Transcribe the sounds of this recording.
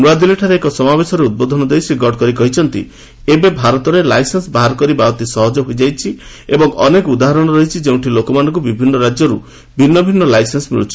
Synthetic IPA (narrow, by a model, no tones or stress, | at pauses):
nuad̪ileʈʰaɾeekɔsɔmabesɔɾeud̪̚bɔd̪ʱɔnɔd̪ejsiɡɔɽkɔɾikɔɦit͡ʃʰɔnt̪ḭ | ebebʱaɾɔt̪ɔɾelajsensbaɦaɾkɔɾibat̪isɔɦɔd͡ʒɔɦojd͡ʒajt͡ʃʰi | ebɔŋɔ̰nekɔud̪aɦaɾɔɽ̃ɔɾɔɦit͡ʃʰid͡ʒew̃ʈʰilokɔmanɔŋkubibʱinːɔɾad͡ʒjɔɾu | bʱinːɔbʱinːɔlajsensbḭɽut͡ʃʰi̥